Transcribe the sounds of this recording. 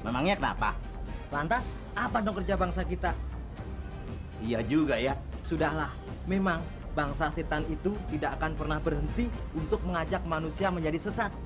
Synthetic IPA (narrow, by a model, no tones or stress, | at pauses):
memaŋɲakəna̰pa̰ | lant̪as | apanɔkərd͡ʒabaŋsakit̪a | ijad͡ʒuɡajasudahlah | memaŋ | baŋsaset̪anit̪ut̪idakakanpərnahbərɦənt̪iunt̪ʊk̚məŋad͡ʒak̚manusiaməɲd͡ʒadisəsat̪̚